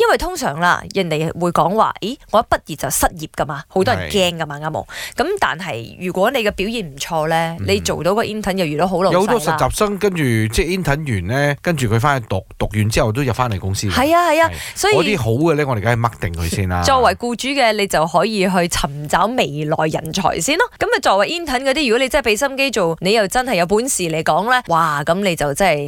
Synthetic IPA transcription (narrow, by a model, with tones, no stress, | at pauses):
jɐ˥nwɐ˨jt̪ʰʊ˥ŋsœ̰ː˨˩ŋla̰ː˧jɐ˨nt̪e˨jwuː˨˧jkɔː˨˥ŋwa̰ː˨i˨˥ŋɔː˨˦˥pɐ˥t̚jiː˨t̚t͡sɐ˨wsɐ˥t̚jiː˨p̚kɐ˥maː˧ho˨˥wt̪ɔ˥ɐ˨˩nkɛː˥ŋkɐ˧maː˧˩kaː˥mo̰˨wkɐ˨˥mt̪a̰ː˨nɦɐ̰˨jjyː˨˩kʷɔː˨˥ne˨˧jkɛː˧pi˨˥wjiː˨˩nm̩˨˩t͡ʃʰɔː˧lɛː˥le˨˧jt͡so˨wt̪o˨˥wkɔː˧ʔi˥nt̪ʰɐ˨˥njɐ˨wjyː˨˩d̪o˨˥wɦo˨˥wlo˨˦who˨˦tɔ˥sɐ˨tt͡sːaː˨p̚sɐ˥ŋkɐ˥nt͡ʃyː˨˩t͡sɛː˥˩iː˥nt̪ʰɐ˨˥njyː˨˩nlɛː˥kɐ˥nt͡ʃyː˨˩kʰɵ˧ɥfaː˥nɐ˨˧t̪ʊ˨k̚t̪ʊ˨k̚jyː˨˧nt͡siː˥hɐ˨wt̪̬o˥wjɐ˨p̚faː˥nle˨˩kʊ˥ŋsiː˧hɐ˨jaː˧hɐ˨jaː˧sɔː˨˥jiɔ˨˧t̪iː˥ɦo˨˥wɡɛ˧lɛː˥ŋɔ˧e˨˩kaː˨˥ɐ˨mɐ˥k̚t̪ɪ˨˩ŋkʰɵ̰˨˧siː˥na̰ː˧t͡ʃɔː˧kwɐ˨˩jkuː˧t͡ʃyː˨˥kɛː˧le˨˧jt͡sɐ˨whɔː˨˥jiː˧ɦɵ˧ɥt͡sʰɐ˨˩mt͡saː˨˥wme˨˩jlɔ̰ː˨˩jːɐ̰˨˩nt͡ʃʰɔ̰ː˨˩jsiː˥˩nɔ˥kɐ˨˥mjɐ˨t͡ʃɔː˧k̚wɐ˨jiː˥nt̪ʰɐ˨˥nkɔ˧t̪iː˥ɥkɔ˨˥e˧t͡sɐ˥˩pe˨˧˥sɐ˥mke˥jt͡so˨wne˨˧jɐ˨wt͡sɐ˥nhɐ˨˩jɐ˨˧wp̬uː˨˥nsiː˨le˨˧jkɔː˨˥ŋlɛː˥waː˨˩kɐ˨˧˥mne˨˧jt͡sɐ˨wt͡sɐ˥˨j